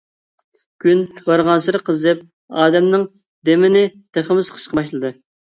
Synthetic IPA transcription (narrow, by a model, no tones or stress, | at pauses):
ɡʲynbɑɾʁɑnsɨɾɨqʰəzɨp̚ | ɑːd̪ɛmnɪŋ | d̪emɪnɪt̪eχəmɪsqʰə̥ʃqɑbɑʃlˠɨd̪ɨ